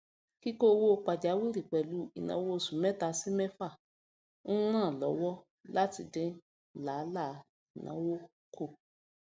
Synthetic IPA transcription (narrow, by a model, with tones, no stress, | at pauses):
ki˦ko˦˧wo˦k͡pa˨d͡ʒa˨˦wi˦ɾi˨k͡pɛ˨lu˨˦i˦˨nã̰˨˦wo˦˨sũ˨mɛ̃˦ta˧si˦mɛ̃˦fa˦˨ | ñ̩˦ɾ̃ã˦˨lɔ˨˦wɔ˦ | la˦ti˧˦dɛ̃˦ | la˨˦la˦˨ | i˨nã̰˨˦wo˦ | kʰo˦˨